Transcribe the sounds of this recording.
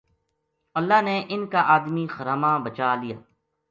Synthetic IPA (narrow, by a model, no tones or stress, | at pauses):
ɐlːaːɦneʔɪnkaʔaːd̪mixəɾaːmãːbət͡ʃaːlija̰ː